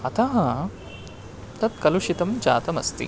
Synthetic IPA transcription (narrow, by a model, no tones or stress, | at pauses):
ɐt̪ʰaɦɐ̃ | t̪ɐt̪kɐluʃit̪ɐmd͡ʒa̰ːt̪ɐmɐ̰st̪ḭ